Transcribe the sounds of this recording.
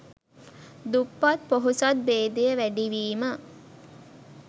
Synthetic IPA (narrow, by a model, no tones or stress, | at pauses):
d̪upːat̪poɦusat̪̚beːd̪ejəʋæɖiʋiːmə